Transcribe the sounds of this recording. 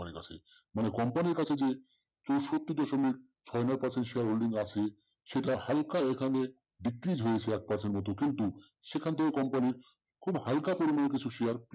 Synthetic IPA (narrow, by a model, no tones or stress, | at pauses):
anika̰t͡ɕʰḛ | manekɔmpaniɾkat͡ɕʰed͡ʑe | t͡ɕowʃot̪ːid̪ɔʃomik̚ | t͡ɕʰɔenaɾpaɾsʰenʈʃiaɾɦolɖiŋɡat͡ɕʰe | ʃeʈahalkaekʰane | ɖikɾid͡ʑɦojet͡ɕʰeɛk̚paɾsʰenʈmɔt̪̬okint̪u | ʃekʰant̪ʰekekɔmpaniɾ | kʰubhalkapoɾimanek̬it͡ɕʰuʃiaɾp